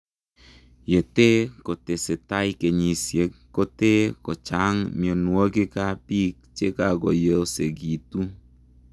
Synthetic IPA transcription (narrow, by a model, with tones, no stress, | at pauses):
je˨te˦ko˨te˨se˨ta˦jke˨ɲi˨sje˨˦kkːo˦te˦kɔ˨t͡ʃa˦ŋmi˨o˨nu˨o˦ki˦ka˦pi˦k̚t͡ʃe˦ka˨kɔ˨je˦lse˨ɡi˨tu˦